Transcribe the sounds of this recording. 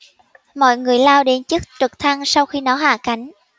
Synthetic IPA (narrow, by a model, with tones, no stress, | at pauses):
mɔ̰˧˨jŋɨ˨˩əjlaː˧wɗe˨˦nt͡ɕɨ˦˥k̚t͡ɕɨ˨˩k̚t̪ʰa˧ŋsa˧wxi˧nɔ˨˦ɦaː˧˩ka˨˦jŋ̟